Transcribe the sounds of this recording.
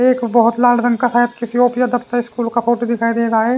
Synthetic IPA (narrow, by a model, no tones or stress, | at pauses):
eːkbɐɦʊt̪laːɖɾə̃ŋɡkasaːɦət̪kesioːpijad̪ɐpt̪aɪskuːlkapʰoːʈid̪ɪkʰaːid̪eːd͡ʒaːeː